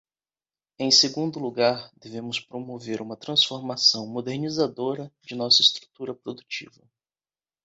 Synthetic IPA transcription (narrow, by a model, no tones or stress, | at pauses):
ẽj̃seɡũnd̪ʊluɡaɾd̪evẽmʊspɾomoveɾũmɐt̪ɾɐ̃sfoɾmasɐ̃w̃mod̪eɾnizad̪oɾɐd͡ʒɪnɔsɐɪst̪ɾu̥t̪uɾɐpɾod̪ut͡ʃivɐ